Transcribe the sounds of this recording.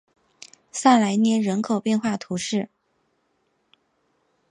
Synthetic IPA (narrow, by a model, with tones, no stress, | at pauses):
sa˥˩la˧˥ɪnjɛ˥nɻə˧˥nkʰo˨˩ʊpjɛ˥˧nxwa˥˩t̪ʰu˧˥ʂɻ̩˥˩